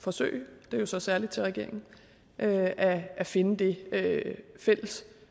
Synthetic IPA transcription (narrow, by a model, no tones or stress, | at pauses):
fɒ̽sø̰ɪd̥e̝ɐjo̝sɒ̽sæɐlid̥̚t͡sʰe̝lʁɛɡ̥e̝̰ɐ̰eŋn̩ | ʔøæʔæfe̝nəd̥e̝øfel̰əs